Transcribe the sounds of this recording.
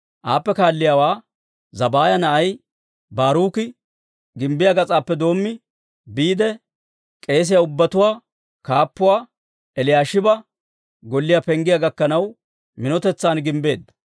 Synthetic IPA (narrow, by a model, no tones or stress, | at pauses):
ʔaːpːɛkaːlːɪjaːwaː | zɐbaːjɐnɐʔɐj | baːɾuːkɪ | ɡɪmbɪjaɡɐt͡sʼaːpːɛd̪o̞ːmːɪ | biːd̪ɛ | kʼe̞ːs̬ɪjaʊbːɐt̪ʊwaː | kaːpːʊwaː | ɛlɪjaːʃɪbɐ | ɡɔlːɪjapɛŋɡɪjaɡɐkːɐnɐw | mɪnɔt̪ɛt͡sːaːnɡɪmbe̞̰ːd̪ːɐ̥